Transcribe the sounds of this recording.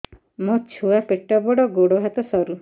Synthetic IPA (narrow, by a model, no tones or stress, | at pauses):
mot͡ʃʰuapeʈɔbɔɽɔɡoɽoɦat̪ɔsɔɾu